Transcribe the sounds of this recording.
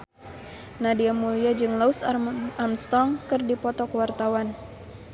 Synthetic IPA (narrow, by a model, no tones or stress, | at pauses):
nadiamuliad͡ʒɨŋlausamst̪ɔŋkɨrdipɔt̪ɔkwart̪awan